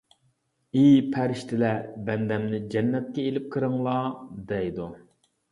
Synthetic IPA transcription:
ipʰæɾɪʃt̪ʰɪlɛbɛnd̪ɛmnɪd͡ʒɛnːɛt̪̚kʲɛelɪp̚qʰɨɾɨŋlˠɑd̪ɛjd̪u

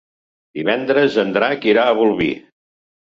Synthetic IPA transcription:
d̪̥iβɛnd̪ɾəzənd̪ɾakiɾaəβulˠβḭ

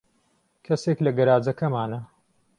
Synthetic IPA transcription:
kʰɐseklɐɡɐɾaːd͡zɐkʰɐmaːnɐ

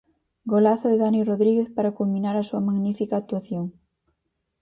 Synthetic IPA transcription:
ɡolaθoðeðaniroðɾiɣeθpaɾakulminaɾasuamaɣnifikaːk̚t̪uaθjoŋ

